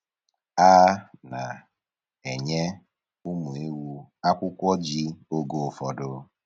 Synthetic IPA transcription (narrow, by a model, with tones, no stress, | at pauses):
a˦na˨ | e˨ɲe˦ | u˦mu˨e˦wu˦a˦kʷʊ˦kʷɔ˦d͡ʒi˦o˦ɡo˨fɔ˨dʊ˦